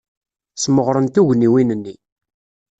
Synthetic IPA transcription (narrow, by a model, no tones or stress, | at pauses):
sməʁɾˤənt̪uʝniwinənːi